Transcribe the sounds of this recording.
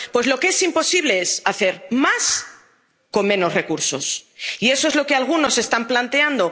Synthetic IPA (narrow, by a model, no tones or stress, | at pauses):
pwe̞zlo̞kee̞simpo̞siβle̞esaθe̞ɾmas | ko̞mmẽ̞no̞sre̞kuɾso̞̰sie̞so̞e̞zlo̞kealɣ̞unose̞st̪amplant̪e̞and̪o